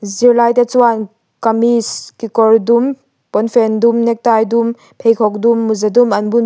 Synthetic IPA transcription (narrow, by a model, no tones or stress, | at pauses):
ziɾlajt̪et͡suwan | kamiskikɔɾdum | pɔnfɛndumnɛk̚t̪ajdum | pʰejkʰɔk̚dumːuzadumɐnbun